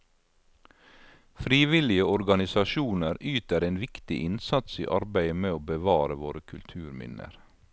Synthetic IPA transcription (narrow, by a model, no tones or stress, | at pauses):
fɾiːʋɪlɪəɔɾɡɑnɪsɑʃuːnəɾʔyːt̪əɾeːnʋɪkt̪ɪ̰ʔɪnsɑt̪sḭːʔɑɾbæɪəmeːoːbəʋɑːɾəʋoːɾəkʰʉlt̪ʰʉːɾmɪ̰nə̰ɾ